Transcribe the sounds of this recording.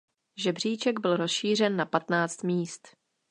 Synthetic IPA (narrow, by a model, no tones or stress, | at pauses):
ʒɛbr̝iːt͡ʃɛɡbɪlɾo̞sʃiːr̝ɛnːapat̪naːt͡st̪miːst̪